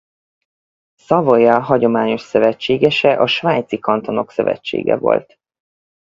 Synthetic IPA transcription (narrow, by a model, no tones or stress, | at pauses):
sɒvojɒɦɒɟo̞maːɲo̞ʃsøvɛt͡ʃːeːɡɛʃɛʔɒʃvaːɲt̪sikɒnt̪o̞no̞ksø̰vɛ̰t͡ʃːḛːɡɛ̰vo̞̰lt̪